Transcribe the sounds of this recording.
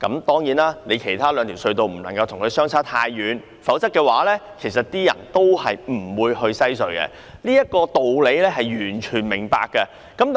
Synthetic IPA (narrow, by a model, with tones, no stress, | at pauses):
kɐ̰˨˥mt̪ɔː˥ŋjiː˨˥naː˥ne˨˧jkʰe˨˩jt̪ʰaː˥lœː˨˧ŋt̪ʰi˨˩wsɵ˧ɥt̪o˨˧wm̩˨˩lɐ˨˩ŋkɐ˧wt̪ʰʊ˨˩ŋkʰɵ˨˧sœː˥ŋt͡sʰaː˥t̪ʰaː˧jːyː˨˧n | fɐ˨˥wt͡sɐ˥kːɛː˧waː˨˥lɛː˥kʰe˨˩jsɐ˨t̚t̪iː˥jɐ̰˨˩nt̪o˥whɐ˨jm̩˨˩wuː˨˧jhɵ˧ɥsɐ˥jsɵ˨˧ɥkɛ̰˧ | niː˥jɐ˥t̚kɔː˧t̪o˨wle˨˧˥jlɛː˥ɦɐ˨jɥyː˨˩nt͡ʃʰyː˨˩nmɪ˨˩ŋpa̰ː˨˧kːɐ˧ | kɐ˨˥m